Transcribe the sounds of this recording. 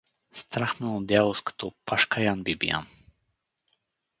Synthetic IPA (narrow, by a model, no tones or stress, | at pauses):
st̪ɾaxmɛɔd̪javoskḁt̪opaʃkʰajanbibḭja̰n